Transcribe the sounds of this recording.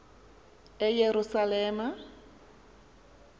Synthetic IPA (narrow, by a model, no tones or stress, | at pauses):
ɛjeɾusalɛːma